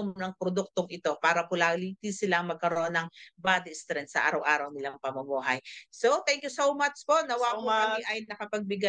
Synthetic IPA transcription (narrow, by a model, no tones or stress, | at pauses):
omnɐŋpɾod̪uk̚t̪oŋɪt̪o̞paːɾɐpʊlaːlit̪isɪlaŋmɐɡ̚kɐɾoʔonɐŋbaːd̪ɪst̪ɾɛnt̪sɐʔa̰ːɾɐwʔaːɾɐwnɪlaŋpɐmɐmuːɦɐjsot̪ɛŋkjusowmat͡ʃpo̞ʔnɐwaʔaʔɐjnɐkɐpɐɡ̚bɪɡa